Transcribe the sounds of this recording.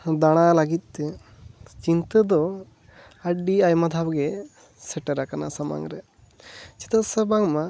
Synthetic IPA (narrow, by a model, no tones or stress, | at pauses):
d̪aɽ̃alaɡit̪̚ˀt̪e | t͡ʃint̪əd̪ɔ | aɖiajmad̪ʱabɡɛ | sɛʈəɾakanasama̰ŋɾɛ | t͡ʃi̥t̪əsəbaŋma